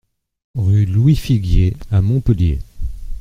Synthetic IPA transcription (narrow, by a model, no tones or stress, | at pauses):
ʁylwifiɡjeamɔ̃pəljḛ